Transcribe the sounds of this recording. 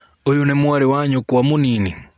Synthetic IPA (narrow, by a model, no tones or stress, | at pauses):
ojonemwaɾewaɲokwamoniːni